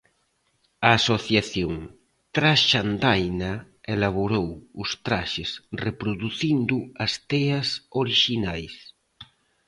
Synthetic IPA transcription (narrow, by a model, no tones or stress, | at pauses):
aːsoθjaθjoŋ | t̪ɾaʃand̪ajna | elaβ̞oɾowʊst̪ɾaʃesrepɾoðuθind̪uɐst̪ɛɐsoɾiʃinajs